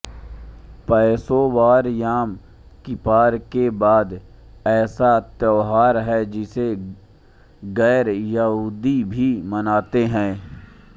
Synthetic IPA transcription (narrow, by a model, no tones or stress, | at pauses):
pɛːsobaːɾjaːm | kɪpaːɾkebaːd̪ɛːsat̪ɔːɦaːɾɦɛd͡ʒɪse | ɣɛːɾjɐɦuːd̪ibʱimənaːt̪eɦɛ̃ː